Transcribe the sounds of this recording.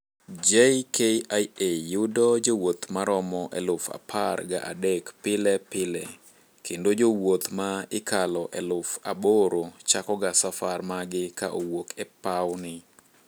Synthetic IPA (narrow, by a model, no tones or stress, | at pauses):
d͡ʒejkʰejajejʊdɔd͡ʒowot̪maɾɔmɔʔɛlʊfa̰pʰarɡa̰ʔa̰dekpɪlɛpɪlɛ | kʰendod͡ʒowot̪maɪkʰalɔʔɛlʊfa̰boɾot͡ʃakɔɡasafarmaɡɪkaʔowokɛpawnɪ